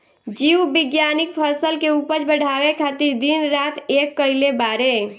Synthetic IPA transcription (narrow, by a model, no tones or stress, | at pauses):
d͡ʒiubiɡjanikpʰəsəlkeupəd͡ʒbəɽ̤ʱaʋekʰat̪iɾd̪inɾat̪ʰekːəɪlebaɾe